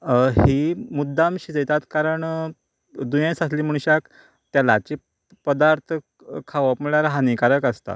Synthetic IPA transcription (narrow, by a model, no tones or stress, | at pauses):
ɦimud̪ːamɕid͡zəjt̪at̪kaɾəɳ | d̪ujãsasliːm̤əɳ̃ɕak | t̪jalat͡ɕi | pəd̪aɾt̪ʰə | kʰaʋəpməɭaɾɦanikaɾəkast̪a̰